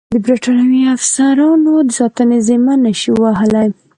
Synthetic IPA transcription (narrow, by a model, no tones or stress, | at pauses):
d̪əbɾiʈɑnawiafsaɾɑnod̪əsɑt̪ənezemanaʃiwaɦəlaj